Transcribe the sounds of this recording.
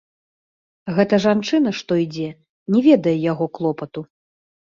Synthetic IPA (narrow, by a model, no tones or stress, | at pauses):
ɣɛt̪ɐʐant͡ʂɨnɐʂt̪ɔid͡zʲɛ | nʲɛvʲɛd̪ɐjɛjaɣɔklˠɔpɐt̪u